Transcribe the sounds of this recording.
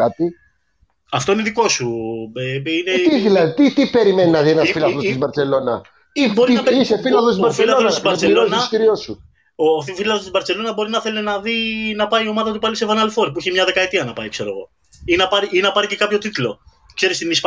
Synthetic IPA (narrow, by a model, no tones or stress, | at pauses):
ɐt̪i | ɐft̪o̞ineðiko̞sueinet̪iðilɐðit̪it̪ipe̞ɾime̞ninɐðienɐfilɐðost̪izbɐɾt͡se̞lo̞nɐ | iboɾiiisefilɐðot̪ibɐɾfelonnɐsbɐɾɐelosnɐsciɾio̞su | oθfilɐðost̪ibɐɾt͡se̞lo̞nɐbo̞ɾinɐθelenɐðinɐpɐiio̞mɐðɐt̪upɐlisevɐnɐlfo̞ɾ̚puiçemɲɐðe̞kɐet̪iɐnɐpɐ̰ikse̞ɾo̞̰ɣo̞̰ | inɐpɐɾiinɐpɐɾicekɐpço̞t̪it̪ulo̞ | kse̞ɾist̪inisp